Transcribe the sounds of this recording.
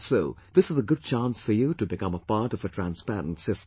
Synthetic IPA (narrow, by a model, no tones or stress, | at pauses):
soʊðɪsəzəɡʊd̚t͡ʃʰæ̃nsfə˞jɨɾɨbɨkʌ̃məpɑɹɾʌvətʰɹ̥æ̃nspæɹə̰̃n̩tsɪs